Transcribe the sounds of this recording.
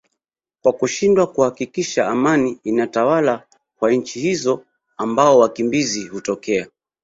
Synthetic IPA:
kwakuʃindwakuhakikiʃaːmaniinatawala | kwaɲ̩t͡ʃihizɔ | ambaɔwakimbizihutɔkɛa

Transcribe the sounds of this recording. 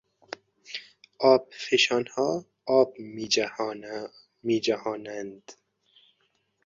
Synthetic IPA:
ɒːb̚feʃɑːnhɒː | b̚mi | miːd͡ʒahɒːnænd̪

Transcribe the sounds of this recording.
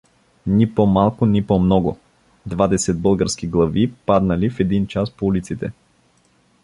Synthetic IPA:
nʲipomalˠkʊnipɔmnɔɡʊ̰ | d̪vad̪ɛsɛd̪̚bəlˠɡəɾskiɡlˠɐvipad̪nɐlifɛd̪int͡ʃaspoulit̪sit̪ɛ̰

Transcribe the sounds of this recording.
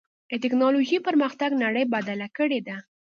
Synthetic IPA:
ət̪ɪknɑloʒipəɾməxt̪aɡnaɽəjbad̪alakəɽed̪a

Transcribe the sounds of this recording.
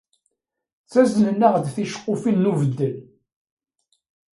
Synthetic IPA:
t͡sæznənːəʁd̪θiʃə̥qːʊfilːuvəd̪ːəl

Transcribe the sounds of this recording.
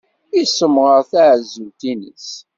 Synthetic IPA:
isːəmʁəʁθaʕəzːunt̪inə̰s

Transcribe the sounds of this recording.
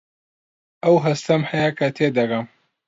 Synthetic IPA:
ɐwɦɐst̪ɐmhɐjakʰɐt̪ʰeːd̪ɐɡɐm

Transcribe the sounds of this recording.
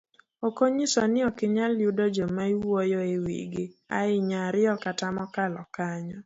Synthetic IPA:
okoɲisɔnɪɔkɪɲaljudɔd͡ʒomaiwɔjɔɪwḭɡɪa̰ɪɲaɾɪɔkatamɔkalɔkaɲɔ

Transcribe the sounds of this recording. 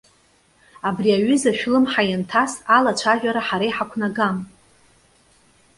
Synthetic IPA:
abriaɥʏzaʃᶣlɨmħajantʰasalat͡ʃʷʰaʒᶣaɾaħaɾajħakʷʰnaɡam

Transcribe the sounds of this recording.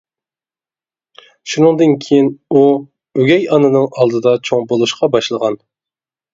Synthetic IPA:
ʃunɨŋd̪ɨnkʲʰejinu | øɡʲɛjɑnɨnɨŋɑlˠd̪ɨd̪ɑt͡ʃʰoŋbolˠuʃqɑbɑʃlˠəʁɑn

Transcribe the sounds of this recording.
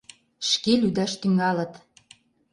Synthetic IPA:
ʃkelyd̪æʃt̪yŋɑlə̆t̪

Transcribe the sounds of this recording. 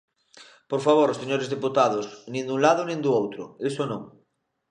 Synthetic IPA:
poɾfaβ̞oɾoseɲoɾezðeput̪aðʊsnĩnd̪ũŋlaðʊnĩŋd̪uowt̪ɾʊ̰esonõŋ

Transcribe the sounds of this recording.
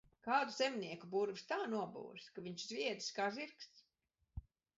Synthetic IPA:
kaːd̪uzɛmniɛkubuɾvist̪aːnuɔbṵːɾskaviɲt͡ʃzvʲiɛd̪i̥skaːziɾkst̪s

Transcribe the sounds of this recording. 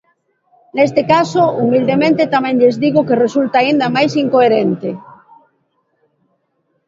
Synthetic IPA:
nest̪ekasoumild̪emẽnt̪et̪amɛ̃ŋʎezðiɣokeresult̪aːind̪amajsiŋkoeɾent̪e

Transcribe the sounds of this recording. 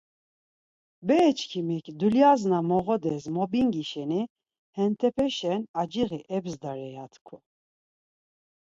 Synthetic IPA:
bɛːt͡ʃʰkʰimikʼd̪uljaznamɔʁɔd̪ɛzmɔbiŋɡiʃɛni | hɛnt̪ʰɛpʰɛʃɛnad͡ʒiɣiʔɛbzd̪aɾɛjat̪ʰkʰu

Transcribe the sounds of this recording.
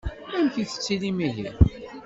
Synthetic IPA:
æmkiθə̥t͡sːilimiʝi

